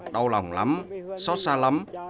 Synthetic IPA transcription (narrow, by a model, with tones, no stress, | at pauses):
ɗə˧wla˨˩wŋ͡mla̰˨˦msɔ˦˥t̚saː˧la˨˦m